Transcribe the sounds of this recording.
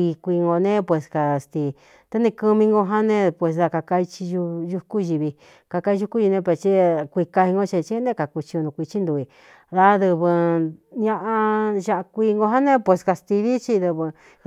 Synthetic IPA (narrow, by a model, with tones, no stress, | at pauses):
i˧kʷiː˧ŋɡo˧nẽ˦pwe˧ska˨st̪i˧ | t̪a˦nĩ˧ku˧mĩ˧ŋɡo˧ɦa˦nẽ˦˧pwe˧s̬ða˧ka˧ka˧i˧t͡ʃi˧ʒu˧ʒu˧ku˦ʒi˧βi˧ | ka˧ka˧˦i˧ʒu˧˦ku˦ʒi˧nẽ˧p̬e˧t͡ʃi˦kʷi˧ka˧hi˧ŋɡo˦t͡ʃi˧t͡ʃi˦nẽ˦ka˨ku˧t͡ʃi˧o˧nũ˧kʷi˧t͡ʃi˦nd̪u˧i˧ | ða˧ðɨ˧βɨ˧ɲã˧ʔa˧ʒa˧ʔa˧kʷiː˧ŋɡo˧ɦa˦nẽ˦pwe˧ska˧st̪i˧βi˦t͡ʃi˧ðɨ˧βɨ˧